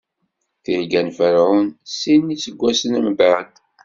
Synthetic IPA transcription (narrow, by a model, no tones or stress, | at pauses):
θiɾɡænfəɾʕunsinːit͡sːəɡʷːæsənæmbʕad̪